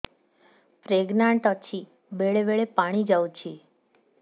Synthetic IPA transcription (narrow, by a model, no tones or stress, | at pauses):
pɾeɡnaɳʈət͡ʃʰi | beɭeʋeɭepaɽ̃id͡ʒawt͡ʃʰi